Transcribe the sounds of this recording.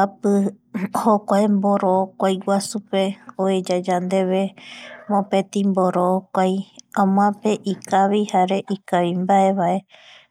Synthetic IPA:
apɨhokʷaemboɾookʷajwasupeoed͡ʒad͡ʒand̪e̞βe̞mõpẽt̪ĩmboɾokʷajãm̃ãpeʔikaβihaɾe̞ʔikaʋimbae̞βae̞

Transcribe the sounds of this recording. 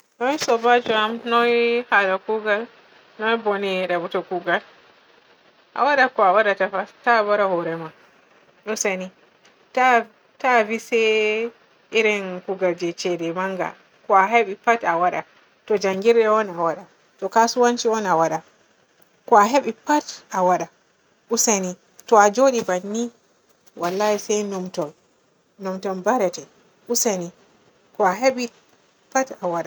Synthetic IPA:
nɔisɔbad͡ʒɔamnɔhalakuɡal | nɔjbɔniɗabutɔkuɡal | ʔa̰waɗakɔawaɗatafastabaɾahɔɾɛma | ɗɔsani | ta | tavisɛ | iɾɛnkuɡald͡ʒɛt͡ʃɛdɛmaŋɡa̰ | kɔaɦeɓipatawaɗa̰ | tɔd͡ʒaŋɡiɾɗɛɔnawaɗa | tɔkasuwant͡ʃiɔnawaɗa | kɔaɦeɓipatawaɗa | ʔusani | tɔad͡ʒoɗibanːi | walːaisɛjnɔmtɔn | nɔmtɔnbaɾɛtɛ | ʔusani | kɔaɦeɓi | patawaɗa

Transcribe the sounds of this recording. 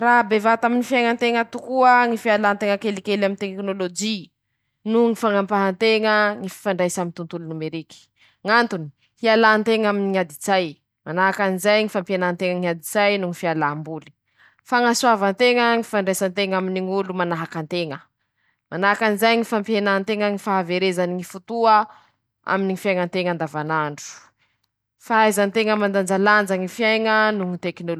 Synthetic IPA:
rabevat̪aminifiajŋant̪eŋət̪ukuəŋifialaːnt̪eŋəkelikelamint̪eknolod͡ʒi | nuŋifaŋampaɦant̪eŋəŋifi̥faɳɖ͡ʐajsamint̪unt̪ulunumeɾiki̥ | ŋant̪uni̥ | hialant̪eŋaminiŋad̪izaj | manaɦakanizajŋifampanant̪eŋəŋiad̪izajnuŋifialambuli̥ | faŋasuavant̪eŋəŋifaɳɖ͡ʐesant̪eŋaminiŋulumanaɦakant̪eŋə | manaɦakanizajŋifampjenant̪eŋəŋifaɦaveɾezaniŋifut̪uə | a̰miniŋifjajŋənt̪eŋand̪avanaɳɖ͡ʐu̥ | faajzant̪eŋəmand̪and͡ʒaland͡zaŋifjajŋənuŋit̪eknol

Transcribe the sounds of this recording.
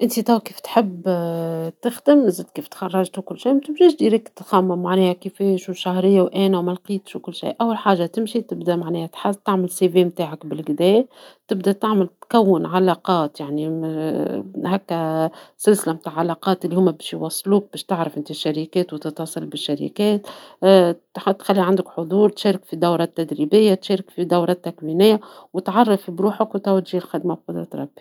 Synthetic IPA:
ʔɪnt̪it̪æwkiːft̪ħɪb | t̪ɪxd̪ɪmzɪːd̪kiːft̪xɑrˤːɑʒt̪ukʊlːʃiːmt̪ɪbʒæːʃd̪iːɾikt̪t̪xæmːamaʕnɛːhækifeːʃwʃahɾɪjːawʔæːnæwmælqiːt̪ʃwkʊlːʃḭːʔawːalħaːʒːat̪ɪmʃit̪ɪbd̪æmaʕnɛːhæt̪ħazt̪aʕmɪlseveːmt̪aːʕakbɪlɡd̪ɛːt̪ɪb̚d̪æt̪aʕmɪlt̪kæwːɪnʕalɑqɑːt̪jaʕni | hækːæsɪlsɪlamt̪aːʕʕːalɑqɑːt̪ʔɪlːihʊmːæbɛːʃjwɑsˤːluːk̚bɛːʃt̪ɪʕɾɑfʔɪnt̪iʃːaɾikɛːt̪wt̪ɨt̪wɑsˤɑlbɪʃːaɾḭkɛːt̪ | ħt̪xælːiʕand̪ʊkħod̪ˤuːɾt̪ʃeːɾɪkfid̪awɾˤɑt̪ːæd̪ɾibɪjːat̪ʃeːɾɪkfid̪awɾˤɑt̪ːakwinɪjːawɪt̪ʕɑrˤːɑfibɾuːħakwt̪æwt̪ʒiːlxæd̪mabqɑd̪ɾˤɑt̪ɾˤɑ̰bːi

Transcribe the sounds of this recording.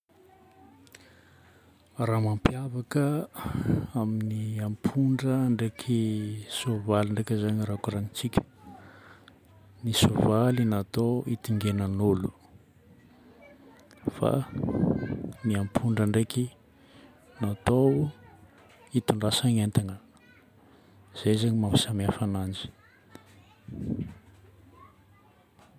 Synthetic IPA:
raːmampjavakə | aminiampʰuɳɖ͡ʐəːɳɖ͡ʐekʰisovalaɳɖ͡ʐekʲəzaɲirakuɾanit͡sikʲə̥ | nisovalinat̪oit̪iŋɡenənolu̥ | fa̰ | niampʰuɳɖ͡ʐəɳɖ͡ʐeki | nat̪ow | it̪uɳɖ͡ʐasaŋent̪aŋə | z̥ezaɲimambi̥samiafanand͡ʒi̥

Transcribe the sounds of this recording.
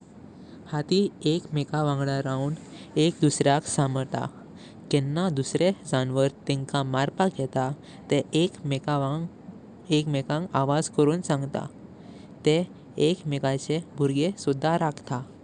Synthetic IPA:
hat̪iekmekaʋãŋɡɭaɾauːn | ekd̪usɾjaksaməɾt̪a̰ | kɛnːad̪usɾed͡zanʋəɾt̪ɛ̃ŋkamaɾpaɡʱɛt̪a | t̪ekma | ekmɛkãŋkaʋad͡zkəɾuːnsãŋɡt̪a̰ | t̪eː | kmekat͡sebʱuɾɡesud̪ʱːaɾakʰt̪a

